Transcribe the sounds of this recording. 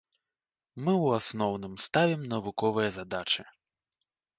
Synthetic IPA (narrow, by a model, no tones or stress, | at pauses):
mɨwasnɔwnɨmst̪avʲimnɐvukɔvɨjɐzad̪at͡ʂɨ